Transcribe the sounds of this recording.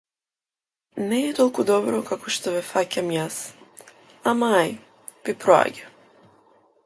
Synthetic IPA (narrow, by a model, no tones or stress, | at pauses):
nɛːt̪ɔlˠkud̪ɔbɾɔkakɔʃt̪ɔvɛfacamjas | amaj | vipɾɔa̰ɟa